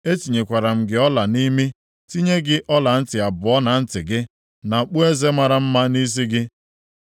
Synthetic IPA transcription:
e˦ti˨ɲe˨kʷa˨ɾa˨m̩˨ɡɪ˨˦ɔ˦la˨ni˦me˦ | ti˦ɲe˦ɡɪ˦ʔɔ˦la˨n̩˦tɪ˨a˨bʊ˨ɔ˦na˨n̩˦tɪ˨ɡɪ˦ | na˨k͡pu˦e˦ze˦ma˨ɾa˨m̩˦ma˦ni˦s̬i˦ɡɪ˦

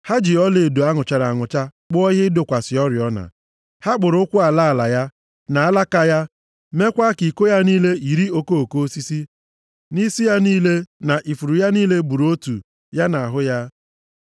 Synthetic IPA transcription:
ha˦d͡ʒɪ˨ɔ˦le˨do˨a˦ŋʊ˨t͡ʃa˨ɾa˨ŋʊ˨t͡ʃa˦k͡pʊ˦ɔ˦ɦɪ˦dʊ˨kʷa˨sɪ˨ɔ˦ɾɪ˨ɔ˦na̰˨ | ha˦ɡ͡bʊ˨ɾʊ˦ʊ˦kʷʊ˦a˨la˦a˨la˨ja˦ | na˨a˦la˦ka˦ja˦ | me˦kʷa˦ki˨ko˦ja˦niː˦le˦i˨ɾi˦o˦ko˦o˨ko˦si˦si˦ | ni˦si˦ja˦niː˦le˦na˨ʔi˨fu˨ɾu˨ja˦niː˦le˦bu˨ɾo˦tṵ˨ | ja˦na˨a˨ɦʊ˦ja˦

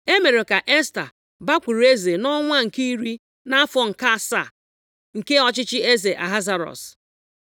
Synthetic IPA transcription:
e˦me˨ɾe˨ka˨ʔe˦sta̰˨ | ba˦kʷu˨ɾe˦ze˨nɔ˦ŋʷa˦ŋ̩˨ki˦i˦ɾi˦ | na˦a˦fɔ˨ŋ̩˨ka˦sa̰˨ | ŋ̩˨ke˦ɔ˦t͡ʃɪ˦t͡ʃɪ˦e˦ze˨ʔa̰˨ɦa˦za˨ɾɔ̰˨s

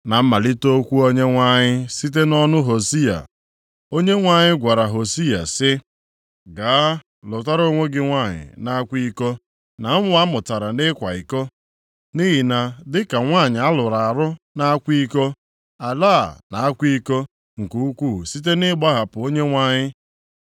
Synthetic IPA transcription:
na˨m̩˦ma˨li˦to˦kʷu˦o˦ɲe˦ŋʷa˦ɲɪ˦si˦t̬e˦nɔ˦nʊ˦ɦo˨si˦a̰˨ | o˦ɲe˦ŋʷa˦ɲɪ˦ɡʷa˨ɾa˨ɦo˨si˦a̰˨sɪ˦ | ɡaː˨˦ | lʊ˨ta˦ɾo˦ŋʷe˦ɡɪ˦ŋʷa˦˨ɲɪ̰˨na˦kʷi˦ko˦ | na˨m̩˦m˦a˦mʊ˨ta˨ɾa˨nɪ˦kʷa˨i˨ko˦ | ni˦ɦi˨na˨dɪ˦ka˨ŋʷa˦˨ɲɪ˨a˦lʊ˨ɾa˨a˨ɾʊ˦ | na˦a˦kʷi˦ko˦ | a˨laː˦˨na˨a˦kʷi˦ko˦ | ŋ̩˨ku˦u˦kʷu˦˨si˦t̬e˦nɪ˦ɡ͡ba˦ɦa˨pʊ˨o˦ɲe˦ŋʷa˦ɲɪ˦

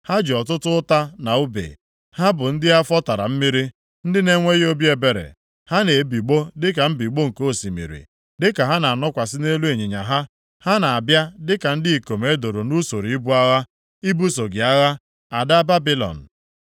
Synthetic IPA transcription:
ha˦d͡ʒɔ˨tʊ˦tʊ˦ta˦na˨ʊ˦bḛ˨ | ha˦bʊ˨n̩˦dɪ˦a˦fɔ˦ta˨ɾa̰˨m̩˦mi˦ɾi˦ | n̩˦dɪ˦ne˦ŋʷe˦ɣo˦bi˦e˨be˨ɾḛ˨ | ha˦ne˨bi˨ɡ͡bo˦dɪ˦ka˨m̩˦bi˨ɡ͡bo˦ŋ̩˨ko˦˨si˨mḭ˨ɾḭ˨ | dɪ˦ka˨ɦa˦na˨a˨nɔ˦kʷa˨sɪ˦ne˦lu˦e˨ɲe˨ɲa˨ɦa˦ | ha˦na˨a˨bja˦dɪ˦ka˨n̩˦dɪ˦i˨ko˨me˦do˨ɾo˨nu˦so˨ɾi˨i˦bu˦a˦ɣa˦ | i˦bu˦so˨ɡɪ˨a˦ɣa˦ | a˨da˦ba˦bi˦lɔ̰˨n̩˨

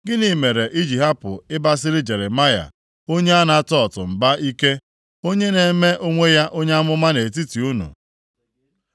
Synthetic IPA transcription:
ɡɪ˦ni˨me˨ɾe˨ʔi˦d͡ʒi˨ɦa˦pʊ̰˨ɪ˦ba˦s̬ɪ˦ɾɪ˦d͡ʒe˨ɾe˨ma˦ja̰˨ | o˦ɲe˦a˦na˦tɔ˦˨tʊ˨m̩˨ba˦i˦ke˦ | o˦ɲe˦ne˨me˦ʔo˦ŋʷe˦ja˦ʔo˦ɲe˦a˦mʊ˦ma˦ne˨t̬i˦ti˨u˦nṵ˨

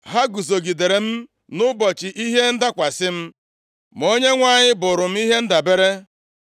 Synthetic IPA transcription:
ɦa˦ɡu˨zo˨ɡi˨de˨ɾe˨m̩˦ | nʊ˦bɔ˨t͡ʃɪ˨ʔi˦ɦe˦n̩˦da˦kʷa˨sɪ˦m̩˦ | m˨o˦ɲe˦ŋʷa˦˨ɲɪ˦bʊ˨ɾʊ˨m̩˦i˦ɦe˦n̩˦da˨be˦ɾe˦

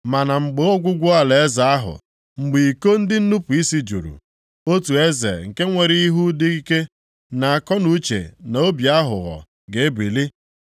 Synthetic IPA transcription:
ma˨na˨ŋ͡m̩˨ɡ͡be˦o˦ɡʷʊ˦ɡʷʊ˦a˨le˨e˦za˨a˦ɦʊ̰˨ | ŋ͡m̩˨ɡ͡bi˨ko˦n̩˦dɪ˦n̩˦nu˦pu˨i˦si˦d͡ʒṵ˨ɾṵ˨ | o˦tu˨e˦zḛ˨ŋ̩˨ke˦ŋʷe˨ɾɪ˦i˦ɦu˦dɪ˦i˦ke˦ | na˨a˨kɔ˦nu˦t͡ʃḛ˨na˨o˦bja˦ɦʊ̰˨ɣɔ̰˨ | ɡe˨e˦bi˨li˦

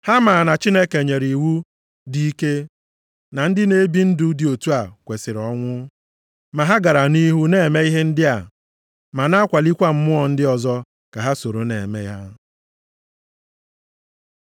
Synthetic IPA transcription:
ha˦ma˨na˨t͡ʃi˦ne˦ke˨ɲe˨ɾi˨wu˦ | di˦i˦ke˦ | na˨n̩˦dɪ˦ne˦bi˦n̩˦du˦di˨o˨tu˦a˨kʷe˨sɪ˨ɾɔ˦ŋʷʊ˦ | ma˨ɦa˦ɡa˨ɾa˨ni˦ɦu˦ne˨me˦i˦ɦe˦n̩˦dɪ˦a˨ | ma˨na˦kʷa˨li˦kʷa˦m̩˦mʊ˦ɔ˨n̩˦dɪ˦ɔ˨zɔ˦ | ka˨ɦa˦so˨ɾo˨nḛ˨me˦i˦ɦa˦

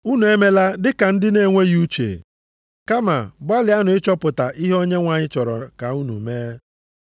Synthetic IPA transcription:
u˦nu˨e˦me˦la˦dɪ˦ka˨n̩˦dɪ˦ne˦˨ŋʷe˦ju˦t͡ʃḛ˨ | ka˦ma̰˨ba˦lɪ˨˦a˦nʊ˨ɪ˦t͡ʃɔ˦pʊ˨ta˨ʔi˦ɦo˦ɲe˦ŋʷa˨ɲɪ˦t͡ʃɔ˨ɾɔ̰˨ka˨u˦nṵ˨meː˦

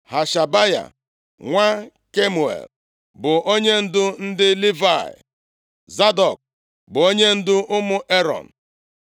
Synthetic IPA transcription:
ha˨ʃa˨ba˦ja̰˨ | ŋʷa˦ | ke˦mu˨ḛ˨l | bʊ˨ʔo˦ɲe˦n̩˦dʊ˦n̩˦dɪ˦li˦va˦˨jɪ̰˨ | za˦dɔ˨k̚ | bʊ˨o˦ɲe˦n̩˦dʊ˦ʔʊ˦mʊ˦ʔe˦ɾɔ̰˨n̩˨

